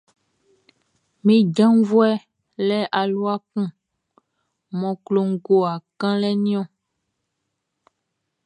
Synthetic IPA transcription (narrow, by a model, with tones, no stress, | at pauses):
mĩ˦d͡ʒã˦vu˦ɛ˦ | lɛ˦ʔa˨lu˦a˦kũ˦ | mɔ̃˨klo˨ŋ̩˦ɡo˨a˨kã˦lɛ˦nĩ˦ɔ̃˦